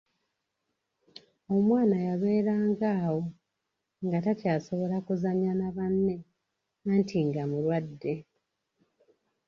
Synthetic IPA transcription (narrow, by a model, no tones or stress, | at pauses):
o̞mwaːnajaβe̞ːɾaːŋɡaːwo̞ | ŋɡatacaːso̞βo̞lakuzaɲanaβanːe̞ | antʰiŋɡamulwadːe̞